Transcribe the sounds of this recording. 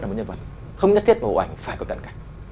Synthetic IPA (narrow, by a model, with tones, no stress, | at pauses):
a˨˩˨ɲə˧nvə̰˨˩t̚ | xə˧wŋ͡mɲə˦˥t̪ʰi˦˥t̚ŋo̰˨˩ʔa˧˩jŋ̟faː˧˩jkɔ˨˦˩kə̰˧˨nka˨˩˦jŋ̟